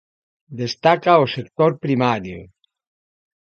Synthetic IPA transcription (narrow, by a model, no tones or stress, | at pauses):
d̪est̪akaosekt̪oɾpɾimaɾjo̰